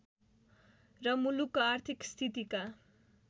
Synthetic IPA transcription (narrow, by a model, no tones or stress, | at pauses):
rʌmulukːoart̪ʰikst̪ʰit̪ika